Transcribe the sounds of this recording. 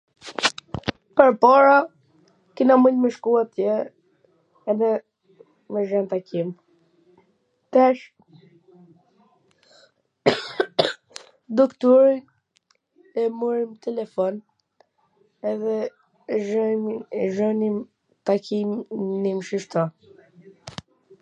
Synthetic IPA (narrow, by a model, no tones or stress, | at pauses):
pəɾpɔɾa | kinaməɲmɛʃkuat̪jɛ | ɛðɛ | mɛʒɛnt̪akʰim | t̪ɛʃ | d̪ɔkt̪ɔɾi | ɛmuɾimt̪ɛlɛfɔn | ɛðɛ | ʒ | ʒɔnim | t̪akimnimʃiʃt̪ɔ